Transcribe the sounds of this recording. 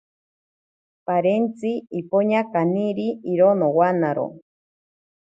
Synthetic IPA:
paɾent͡siipoɲakaniɾiiɾonowanaɾo̰

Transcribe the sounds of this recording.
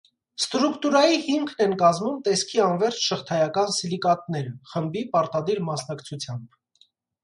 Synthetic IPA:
st̪ɾukt̪uɾɑjihimkʰnɛnkɑzmumt̪ɛskʰiɑnvɛɾt͡ʃʰʃəχt̪ʰɑjɑkɑnsilikɑt̪nɛɾəχəmbipɑɾt̪ɑd̪iɾmɑsnɑkt͡sʰut͡sʰjɑmb

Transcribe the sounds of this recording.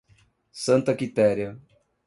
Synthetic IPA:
sɐ̃nt̪ɐkit̪ɛɾjɐ

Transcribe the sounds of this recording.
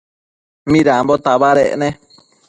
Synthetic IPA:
mĩɾambot̪aβaɾeʔnẽ

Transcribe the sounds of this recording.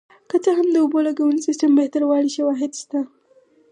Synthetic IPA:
kət͡saɦamd̪əʊbolaɡawunisistəmbeht̪aɾwɑɽiʃawɑɦɪd̪ʃt̪a

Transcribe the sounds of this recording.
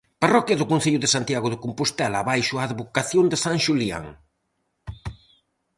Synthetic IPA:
parɔkjɐðʊkõn̟θeʎʊðesant̪jaɣʊðɪkompust̪ɛlaβajʃʊaːðβokaθjond̪esaŋʃulia̰ŋ

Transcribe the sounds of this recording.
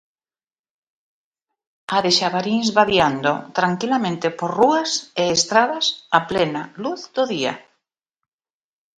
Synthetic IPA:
aðeʃaβaɾinzβaβjand̪ot̪ɾaŋkilamẽnt̪epoɾruaseːst̪ɾaðasaplenaluθd̪oðia̰

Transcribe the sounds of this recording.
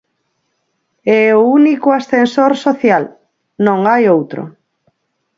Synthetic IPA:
ɛounikoasθensoɾsoθjal | nõŋajowt̪ɾo̰

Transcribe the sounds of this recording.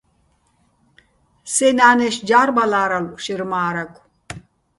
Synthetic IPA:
sɛnaːnɛʃd͡ʒaːɾbalaːɾalʃiɾmaːɾakʷ

